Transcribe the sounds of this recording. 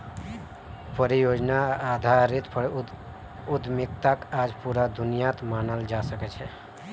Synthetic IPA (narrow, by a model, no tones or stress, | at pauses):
pəɾijod͡ʒnaːd̪ʱaɾit̪p | ud̪mikt̪akad͡ʒpuɾad̪ʱunijat̪manəld͡ʒasəkɛt͡ʃʰɛ